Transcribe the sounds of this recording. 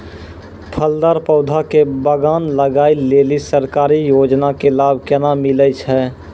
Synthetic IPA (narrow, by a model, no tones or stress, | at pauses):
pʰəld̪aːɾpəʊd̪ʱakebəɡaːnləɡaːileːlisəɾkaːɾijoːd͡ʒnakelaːb̚ʱkɛnamɪləjt͡ʃʰɦɛː